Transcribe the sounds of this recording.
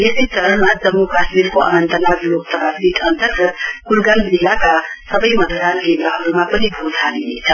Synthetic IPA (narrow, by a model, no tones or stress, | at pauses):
jed̪it͡sʌɾənmad͡zʌmːukʰasmiɾkoʔə̰nʌnt̪ʌnaɡlok̚t̪ʌbasit̪ʌnt̪ʌrɡʌt̪kulɡalbilakasʌbʌjmʌd̪ʱad̪ʱanɡebɾaɦʌɾumapʌnibʱot̪ʰalinet͡sʰʌ